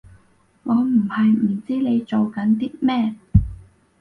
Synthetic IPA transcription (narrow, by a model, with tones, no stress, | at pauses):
ŋɔː˨˧m̩˨˩hɐ˨jm̩˨˩t͡siː˥le˨˧jt͡so˨wkɐ˨˥nt̪iː˥mɛː˥˩